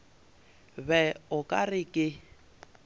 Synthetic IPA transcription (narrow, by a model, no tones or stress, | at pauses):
βɛʊkʼarɪkʼɪ